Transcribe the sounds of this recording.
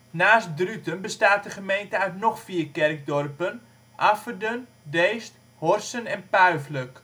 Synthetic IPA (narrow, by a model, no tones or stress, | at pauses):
naːst̚drytənbəstaːt̚dəχəmejntəœɥtnɔχfiːərkɛrk̚dɔrpən | ʔafərdən | deːst | hɔrsənɛnpœɥflək